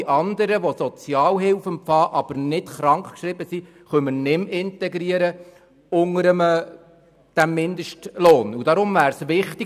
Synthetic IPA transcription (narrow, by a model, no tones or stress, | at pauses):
ʔɑnd̪əɾəʋosɔt͡sjɑːlɦɪlfəmpfɑːʔɑb̥əɾnɪtχɾɑŋkχkʃɾɪbəsi | χœmənɪmɪntɛɡɾiəɾə | ʊŋəɾəmə | d̥æmːɪnd̪əʃtloːnud̥ɑɾʊmvæːɾsʋɪχt̪ɪ